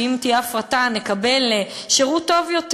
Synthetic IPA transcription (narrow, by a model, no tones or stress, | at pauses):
imtiafʁatane̞kabelːe | ʃeʁuto̞vjo̞t